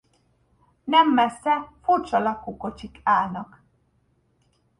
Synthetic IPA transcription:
nɛmːɛsːɛfurt͡ʃɒlɒkːuːko̞t͡ʃikaːlnɒk

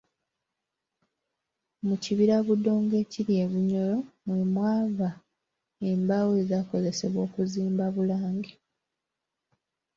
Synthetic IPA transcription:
muciβiɾaβudːo̞ːŋɡe̞ːciɾje̞βuɲo̞lo̞mwemwaːβa | embaweːzako̞ze̞se̞βwo̞ːkuziːmbaβulaːŋɡe

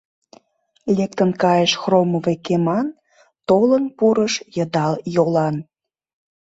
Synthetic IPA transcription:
lʲek̚t̪ənkɑjəʃxroməvekemɑn | t̪olənpuɾəʃjəd̪ɑljolɑn

